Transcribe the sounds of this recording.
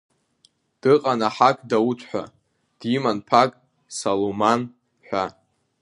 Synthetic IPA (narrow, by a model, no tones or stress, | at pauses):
d̥ɨqʼanaħakʼdawutʰʼħʷᶣa̰ | d̥imanpʰakʼ | saloman | ħʷᶣa